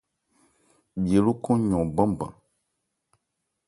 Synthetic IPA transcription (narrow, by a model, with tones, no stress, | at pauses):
bi˨e˨lu˦kɔ̃˦ɲɔ̃˨bã˦bã̰˨